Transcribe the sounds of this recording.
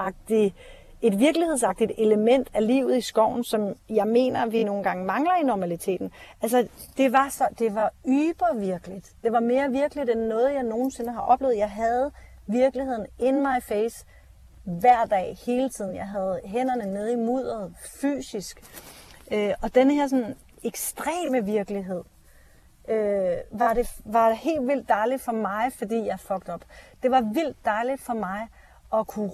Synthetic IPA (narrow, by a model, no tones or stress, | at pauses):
ɑ̈ɡ̥̚d̥i | e̝d̥ʋiɐɡ̥lihesɑ̈ɡ̥̚d̥id̥e̝ləmen̰d̥æliːʊ̰ð̩ˠisɡ̥ɒʊ̰n̩sɒ̽mjɑ̈ɪme̝̰ːnɐʋino̝ːn̩ɡ̥ɑ̈ŋəmɑ̈ŋlɐinɒmælit͡sʰe̝̰ːd̥n̩ʔæls̬əd̥e̝ʋɑ̈sɒ̽d̥e̝ʋɑ̈yːb̥ɐʋiɐɡ̥əlid̥d̥e̝ʋɑ̈me̝ːɐʋiɐɡ̥əlid̥enːɔ̽ːð̞̩ˠjɑ̈ɪno̝ːn̩se̝nəɦɑ̈ʔɒ̽b̥le̝ːʊð̩ˠjɑ̈ɪɦæð̞̩ˠ | ʋiɐɡ̥lihe̝ð̰ˠn̩e̝nmɑ̈ɪfeɪs | ʋæɐ̰d̥ɛ̰ːhe̝ːlət͡sʰið̰ˠn̩jɑ̈ɪɦæð̞̩ˠɦen̰ɐnəneð̞ˠimuð̞̰ˠɐð̩ˠfy̰ːsisɡ̥ʔøʔɒ̽d̥enəheɐ̰s̬ɒ̽nn̩ | eɡ̥sd̥ʁɛ̰ːməʋiɐɡ̥liɦe̝ð̞̰ˠ | ʔøʋɑ̈ɾe̝ʋɑ̈ɾ̥ehe̝̰ːld̥ʋil̰d̥ːɑ̈ɪli̥fɒ̽mɑ̈ɪfɒ̽d̥ḭːjɑ̈ɪhfɒ̽ɡ̥̚d̥ɒ̽b̥d̥e̝ʋɑ̈ʋil̰d̥ːɑ̈ɪlid̥fɒ̽mɑ̈ɪ | ʔɒ̽kʰu